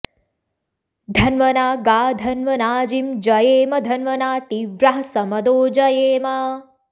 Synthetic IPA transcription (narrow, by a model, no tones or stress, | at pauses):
d̪ʱɐnʋɐnaːɡaːd̪ʱɐnʋɐnaːd͡ʒimd͡ʒɐjeːmɐd̪ʱɐnʋɐnaːt̪iʋɾɐɦɐsɐmɐd̪oːd͡ʒɐjeːmɐ